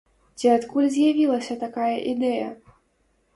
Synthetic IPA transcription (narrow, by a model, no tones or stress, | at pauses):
t͡sʲiat̪kulʲzʲjavʲilˠɐsʲɐt̪akajɐʔid̪ɛjɐ̰